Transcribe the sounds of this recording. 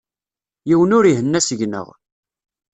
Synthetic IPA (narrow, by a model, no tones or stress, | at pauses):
jiwənʊɾiɦənːæsəʝnə̰ʁ